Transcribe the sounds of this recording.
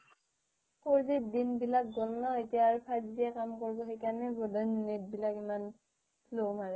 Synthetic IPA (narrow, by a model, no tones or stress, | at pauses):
koɹzedinbilak̚ɡɔlnaetijaːɹpʰazdijɛkamkɔɹsɔɦekanɛbɔdannit̚bilakiman | lomaɹɛ